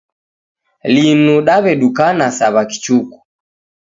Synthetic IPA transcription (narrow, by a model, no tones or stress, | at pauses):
linuɗaβɛɗukanasaβaki̥t͡ʃuku̥